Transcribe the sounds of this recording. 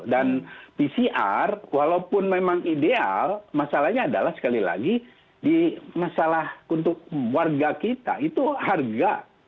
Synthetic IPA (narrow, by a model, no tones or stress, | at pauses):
danpisiʔa̰rwalaupʊnmemaŋidea̰lmasalahɲaːda̰lahsə̥kalila̰ɡi | dimasalahunt̪ʊk̚warɡakit̪a̰it̪uharɡa